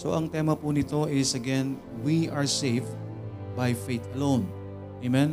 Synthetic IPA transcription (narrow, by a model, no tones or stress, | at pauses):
so̰ʔɐŋt̪ɛmɐpunɪt̪o̞ʔɪsɐɡɛ̃n | wiʔaɹsejf | bajfejt̪ɐlõwn | ʔemɛ̃n